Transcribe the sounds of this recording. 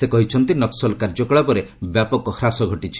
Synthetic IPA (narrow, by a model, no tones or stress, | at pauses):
sekɔɦit͡ʃʰɔnt̪inɔksɔlkaɾd͡ʒɔkɔɭapɔɾebjapɔkɔhɾasɔɡʱɔʈit͡ʃʰi̥